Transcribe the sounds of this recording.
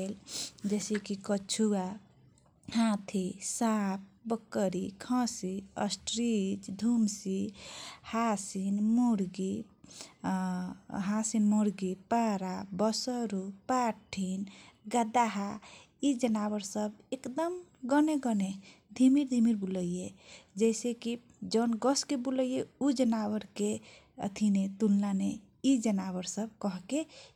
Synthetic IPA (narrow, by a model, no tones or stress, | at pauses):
eld͡ʒesikikət͡ʃʰua | hãt̪ʰisap̚ʰbəkːəɾikʰʌ̃siə̰sʈɾid͡ʒd̪ʱumsihasinmuɾɡi | ɦasinmoɾɡipaɾabəsəɾupaʈʰːinɡəd̪aɦa | id͡ʒənabəɾsəbekd̪əmɡɔneɡəned̪ʱimiɾd̪ʱimiɾbuləjed͡ʒɛɪseki | d͡ʒənɡɔskebuləjeud͡ʒənabəɾke | t̪ʰinet̪ulnane | id͡ʒənaβəɾsəb̚kɔɦke